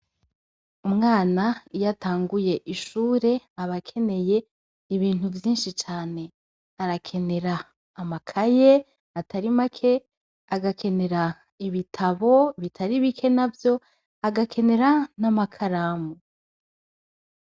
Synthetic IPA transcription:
umŋaːnaijataːŋɡuje̞ʔiʃuːɾe̞aβakʰe̞ne̞je̞ | iβiːnuvjiːnʃit͡ʃaːne̞ | aɾakʰe̞ne̞ɾaː | makʰaje | atʰaɾimakʰe̞ | aɡakʰe̞ne̞ɾa | iβitʰaβo̞βitʰaɾiβikʰe̞navjo̞ | aɡakʰe̞ne̞ɾanamakʰaɾaːmu

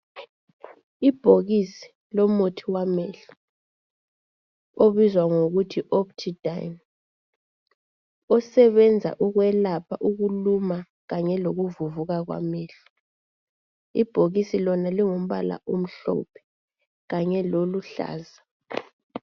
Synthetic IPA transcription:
ib̥ʱoɣisi̥ | lɔmotʰiwamɛɬu̥ | oβizwaŋoɣutʰiʔɔptʰid̥ʱajm | ɔsɛβɛnd͡zʱa̰ʔuɣwɛlapʰaʔuɣuluma | ɣaɲɛloɣuvuvuɣaɣwa̰mɛːɬu̥ | ib̥ʱoɣisilɔnaliŋom̩βa̰la̰ʔum̩ɬɔ̰pʰɛ̥ | ɣaɲɛloluɬa̰ːza

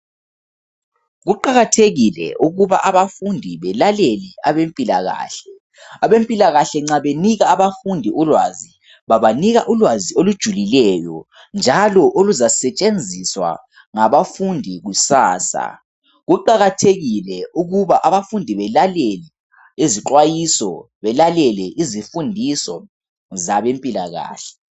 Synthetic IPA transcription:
ɣuǃaɣatʰeɣilɛ̰ʔuɣuβaʔaβafundʱiβɛlaleliaβempʼila̰ɣa̰ːɬɛ | aβempʼilaɣaɬɛŋ͡ǀaβeniɣaːβafundʱiʔulwazi | βaβaniɣaʔulwaziolud̥ʒ̥ʱulilɛjɔ̰ | nd͡ʒʱalɔʔoluzasɛt͡ʃʼend͡zʱiswa̰ | ŋaβafundʱiɣusaːsa̰ | ɣuǃaɣatʰeɣilɛuɣuβaʔaβafundʱiβɛlalɛlɛ | iziǃwajisɔ̰ | βɛlalɛlɛʔizifundʱisɔ | zaβempʼila̰ɣa̰ːɬɛ̥

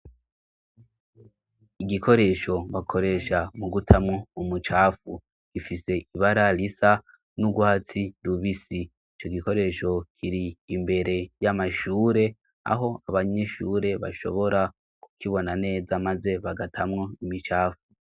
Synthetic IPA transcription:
iɡikʰo̞ɾe̞ʃo̞βakʰo̞ɾe̞ʃamuɡutʰamŋo̞umut͡ʃaːfu | ɡ̥ifise̞iβaɾaɾisa | nuɡwat͡siɾuβisiː | t͡ʃo̞ɡiko̞ɾe̞ʃo̞kʰiɾiːmbe̞ɾe̞jamaʃuːɾe̞ | a̰ɦo̞aβaɲe̞ʃuːɾe̞βa̰ʃo̞̰βo̞ɾa | ku̥kʰiβo̞nane̞ːzamaze̞βaɡatʰamŋo̞imit͡ʃaːfu

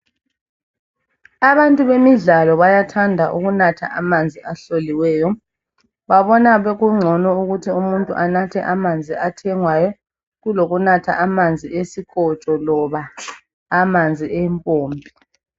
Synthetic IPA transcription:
aβantʼuβemiɮalɔβajatʰandʱaʔuɣunatʰa̰ʔamand͡zʱiʔaɬoliwɛːjɔ | βaβɔnaβeɣuŋ͡ǀʱɔnɔuɣutʰiumuntʼṵʔanatʰɛ̰ʔamand͡zʱiatʰɛŋwajɔ | ɣuloɣunatʰa̰ʔamand͡zʱiesiɣʰɔt͡ʃʼɔlɔβaː | mand͡zʱiʔɛmpʼoːmbʱi

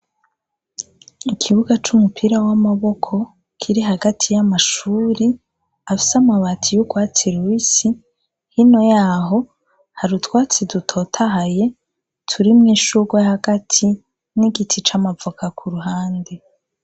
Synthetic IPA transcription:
ikʰiβuɡat͡ʃumupʰiɾawamaβo̞kʰo̞ | kʰiɾiɦaɡatʰijamaʃuːɾi | afi̥samaβatʰijuɡwaːt͡siɾwisi | hino̞jaːɦo̞ | haɾutwaːt͡sidutʰoːtʰaɦaje̞ | tʰuɾimŋiːʃuɡwehaɡatʰi | niɡitʰit͡ʃamavukakʰuɾuɦaːnde

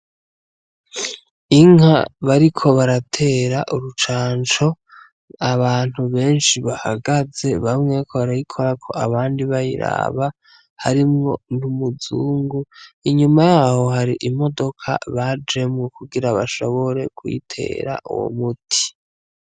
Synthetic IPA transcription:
iŋha̰βaɾikʰo̞βaɾatʰe̞ːɾaʔuɾut͡ʃaːnt͡ʃo̞ | aβaːn̥huβe̞ːnʃiβahaɡaze̞βamŋe̞ːkʰoβaɾajikʰo̞ɾakʰo̞aβaːndiβajḭɾa̰βa | haɾimŋo̞̰numuzuːŋɡuiɲumajaːho̞haɾiʔimo̞do̞kʰa̰βad͡ʒe̞mŋekuɡiɾaβaʃo̞βo̞ɾe̞kwḭtʰe̞̰ːɾa̰ʔṵwo̰mutʰi̥

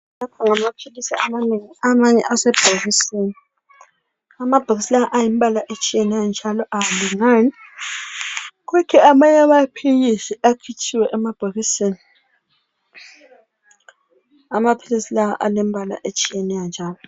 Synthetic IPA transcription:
lapʰɔŋamapʰilisia̰maneŋiamaɲɛ̰ʔasɛb̥ʱaɣiseni | amab̥ʱaɣisilanaʔajimbʱalaʔet͡ʃʼijɛnɛjand͡ʒʱalɔʔaaliŋani | k̬ukʰɛamaɲamapʰilisiakʰit͡ʃʰiwɛʔɛmab̥ʱaɣiseni | amapʰilisilaa̰ʔalembʱala̰ʔet͡ʃʼijɛnɛjand͡ʒʱaːlɔ

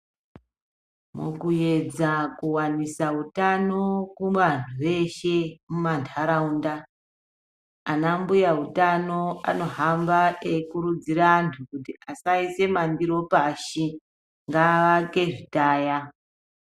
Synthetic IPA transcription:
mṵkuje̞d͡zakuwanisautano̞kuʋan̤uʋe̞ʃe̞mumantʰaɾaunda | anambujautano̞a̰no̞ɦambaekuɾud͡ziɾaːntʰukutiasaise̞mandiɾo̞paʃi | ŋɡaʋake̞ʐitaːja

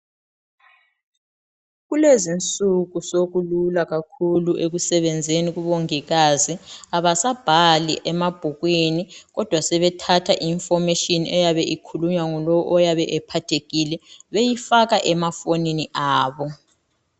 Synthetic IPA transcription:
ɣulezint͡sʼuɣusoɣululaɣakʰuluʔeɣusɛβɛnd͡zʱeniɣuβoŋiɣaziaβasab̥ʱalḭʔɛmab̥ʱuɣweniɣɔd̥ʱwasɛβɛtʰatʰaʔiɱfɔmeʃɔnɛjaβɛʔikʰuluɲwaŋulɔwɔʔɔjaβɛʔɛpʰatʰeɣilɛβejifaɣaʔɛmafoniniʔaːβɔ

